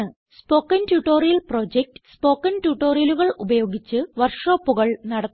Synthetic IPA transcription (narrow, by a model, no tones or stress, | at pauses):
ɨ | spo̞ːkːɐntjuʈːo̞ːrijɐlpro̞ːd͡ʑek̚ʈɨ̥spo̞ːkːɐntjuʈːo̞ːrijɐluɣɐɭubɐjo̞ːɡit͡ɕːɨʋɐrʂo̞ːpːuɣɐɭnɐɽɐː